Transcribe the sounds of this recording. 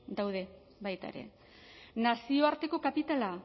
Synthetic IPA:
d̪awðe̞ | bajt̪a̰eɾe̞̰ | nasio̞aɾt̪e̞ko̞kapit̪ala

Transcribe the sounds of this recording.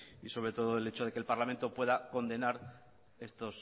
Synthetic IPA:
iso̞βɾe̞t̪o̞ðoele̞t͡ʃo̞ð̞e̞kelpaɾlament̪o̞pwe̞ðako̞nd̪e̞naɾ | e̞st̪o̞s

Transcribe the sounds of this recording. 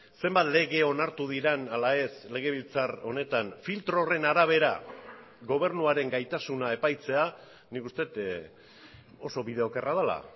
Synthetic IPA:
se̞mbat̪le̞ɣ̞e̞o̞naɾt̪uð̞iɾenalae̞sle̞ɣ̞e̞βilt͡saro̞ne̞t̪anfilt̪ɾo̞re̞naɾaβ̞e̞ɾa̰ | ɣo̞β̞e̞ɾnuaɾe̞ŋɡajt̪asunae̞pajt͡se̞a | nikust̪e̞t̪ | o̞so̞βið̞e̞o̞kerað̞ala̰

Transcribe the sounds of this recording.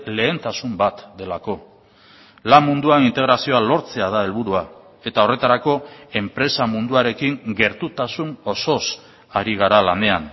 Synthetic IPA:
le̞ːnt̪asumbat̪d̪e̞lako̞ | lammːund̪uanint̪e̞ɣ̞ɾasio̞alo̞ɾt͡se̞að̞ae̞lβ̞uɾua | e̞t̪ao̞re̞t̪aɾako̞e̞mpɾe̞samund̪uaɾe̞kiŋɡe̞ɾt̪ut̪asuno̞so̞s | aɾiɣ̞aɾalane̞an

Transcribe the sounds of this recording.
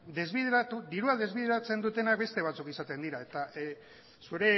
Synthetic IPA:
d̪e̞zβiðeɾat̪ud̪iɾuaðe̞zβiðeɾat͡se̞nd̪ut̪e̞nak̚be̞st̪e̞β̞at͡sukisat̪e̞nd̪iɾae̞t̪a | suɾe̞

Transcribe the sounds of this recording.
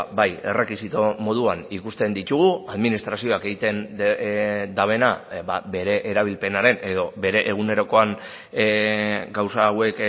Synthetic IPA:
baje̞re̞kisit̪omo̞ð̞uanikust̪e̞nd̪it̪uɣ̞uaðminist̪ɾasio̞ake̞ɣit̪e̞n | d̪aβ̞e̞nababe̞ɾe̞ʔeɾaβ̞ilpe̞naɾe̞ne̞ðo̞be̞ɾe̞ʔeɣ̞une̞ɾo̞ko̞an | ɡawsawe̞k

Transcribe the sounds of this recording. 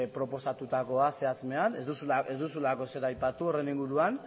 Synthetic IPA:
pɾo̞po̞sat̪ut̪ako̞ase̞at͡sme̞anezd̪usuezd̪usulako̞se̞ɾajpat̪uo̞re̞niŋɡuɾuan

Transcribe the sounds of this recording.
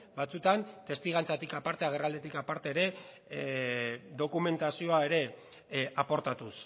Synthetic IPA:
bat͡sut̪ant̪e̞st̪iɣant͡sat̪ikapaɾt̪eaɣ̞erald̪e̞t̪ikapaɾt̪e̞ːɾe̞ | d̪o̞kume̞nt̪asio̞ae̞ɾe̞ | apo̞ɾt̪at̪us

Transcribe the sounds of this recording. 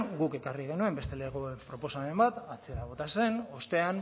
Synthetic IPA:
ɡuke̞kariɣ̞e̞nue̞mbe̞st̪e̞leɣoepɾo̞po̞same̞mbat̪at͡se̞ɾaβ̞o̞t̪ase̞no̞st̪e̞an

